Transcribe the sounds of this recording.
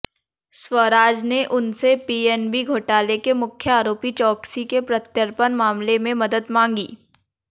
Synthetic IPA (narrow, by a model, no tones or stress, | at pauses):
swəɾaːd͡ʒneʔʊnsepiːeːnbiɡʱoːʈaːlekemʊkʰjəaːɾoːpit͡ʃɔːksikepɾɐt̪jəɾpənmaːmlemẽmɐd̪əd̪mãːŋɡḭː